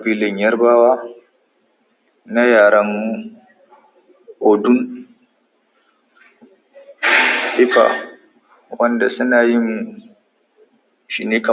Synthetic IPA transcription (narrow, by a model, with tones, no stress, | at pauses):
biː˦lɪ˨ɲjɐ˦rbaː˦waː˦ | na˦jaː˨ɾɐ˦mːu˦ | ʔo˨dʊ˦n | ʔɪ˦ɸa̰˨ | wɐ˦nda˨sʊ˦naː˨jɪ˦n | ʃi˨neː˦kɐ˨